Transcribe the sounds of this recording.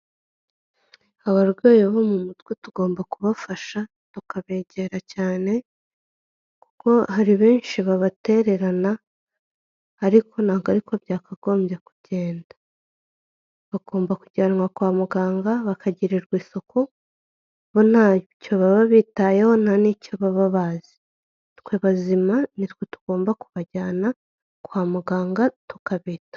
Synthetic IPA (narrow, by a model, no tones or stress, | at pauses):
aβaɾɡo̞ːjeβo̞mumutwetuɡo̞ːmbakuβafaʃa | tukaβe̞ːɟe̞ɾacaːne̞ | ku̥ko̞haɾiβe̞ːnʃiβaβate̞ɾe̞ɾana | ɾikʰo̞naːɡaɾikobjaːkʰaɡo̞ːmbjeku̥ɟe̞ːndḁ | βaɡo̞ːmbakuɟaːnŋɡwakwaːmuɡaːŋɡaβakʰaɟiɾiɾɡwiːso̞kʰo | βo̞naco̞βaβaβitajeho̞nanicoβaβaβazi̥ | tkwe̞βazimanitwetu̥ɡ̥o̞ːmbakuβaɟaːna | kwaːmuɡaːŋɡatu̥kaβiːtḁ